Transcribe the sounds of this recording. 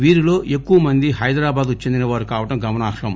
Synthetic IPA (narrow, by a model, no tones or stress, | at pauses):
ʋiːɾilo̞ːʔe̞kːuʋɐmɐnd̪iɦɐjd̪ɾaːbaːd̪ut͡ʃːe̞nd̪inɐʋaːɾukaːʋɐʈɐmɡɐmɐnaːkʂɐm